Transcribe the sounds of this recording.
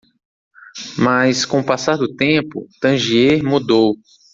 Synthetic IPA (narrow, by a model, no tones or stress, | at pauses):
maskõpasaɾd̪ʊt̪ẽpʊ̰t̪ɐ̃ʒieɾmud̪ow